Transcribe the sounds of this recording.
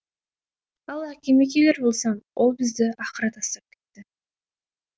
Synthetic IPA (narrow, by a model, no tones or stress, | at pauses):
ɑlˠækʲe̞mek̬ʲele̞ɾbo̞lˠsɑmwʔo̞lˠbɪzd̪ɪɑqəɾɑt̪ɑst̪ɑp̚kʲʰe̞̥t̪ːɪ